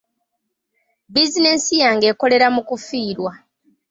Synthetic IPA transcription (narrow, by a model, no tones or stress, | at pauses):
bizine̞sijaːŋɡe̞ːko̞le̞ɾamukufiːɾwa